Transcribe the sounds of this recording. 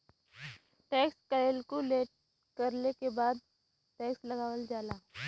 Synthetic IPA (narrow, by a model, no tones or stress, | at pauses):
ʈɛːkskɐelkoleːʈ | kɐɾlekebaːd̪̚ | ʈɛːkslɐɡaːʋəld͡ʒaːlaː